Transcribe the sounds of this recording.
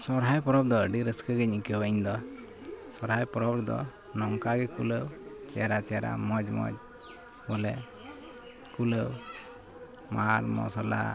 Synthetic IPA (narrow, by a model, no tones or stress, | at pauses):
sɔɾɦajpɔɾɔb̚d̪ɔəɖiɾəskəɡɛɲikəwaiɲd̪ɔ | sɔɾɦajpɔɾɔbɾd̪ɔ̰ | nɔŋkaɡɛkuləwt͡ʃɛjaɾat͡ʃɛjaɾa̰mɔd͡ʒmɔ̰d͡ʒ | bɔlɛ | kuləw | maɾmɔ̰sɔla̰